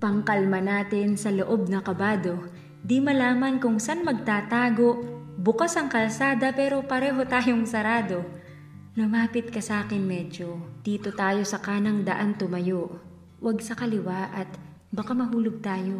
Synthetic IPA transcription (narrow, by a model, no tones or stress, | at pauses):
pɐŋkɐlmɐnaːt̪ɪnsɐloʔo̞b̚nɐkɐbaːd̪o̞ | d̪imɐlaːmɐnkʊŋsanmɐɡ̚t̪aːt̪aːɡo̞ʔbʊkasɐŋkɐlsaːd̪ɐpɛːɾo̞pɐɾɛːɦo̞t̪aːjo̞ŋsɐɾaːd̪o̞ | lʊmaːpɪt̪̚kɐsɐʔaːkɪnmɛd͡ʒod̪̥iːt̪o̞t̪aːjo̞sɐkaːnɐŋd̪ɐʔant̪ʊmɐjoʔ | wɐɡ̚sɐkɐlɪwaʔɐt̪ | bɐkamɐɦuːlʊɡ̚t̪aːjo̞